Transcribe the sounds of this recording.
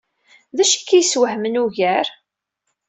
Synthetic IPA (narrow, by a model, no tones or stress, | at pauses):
ðæʃæ̥kːæjswəhmənuʝæɾ